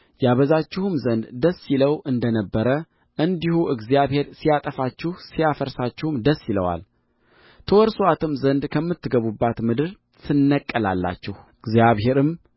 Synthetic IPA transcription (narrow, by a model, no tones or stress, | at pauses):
jaβəzat͡ʃːɪhumzənd̪d̪əsːiləwʔɨnd̪ənəbːəɾə | ʔɨnd̪ihuʔɨɡzijaβhe̞ɾsijat̪ʼəfat͡ʃːɪhsijafəɾsat͡ʃːɪhumd̪əsːiləwa̰l | t̪ʰəwɔɾsoat̪ʰɨmzənd̪kʰəmːɨt̪ːɨɡəβubːat̪mɨd̪ɨɾ | t̪ʰɨnːəkʼːəla̰lːa̰t͡ʃːɪhɨɡzjaβhe̞ɾɨm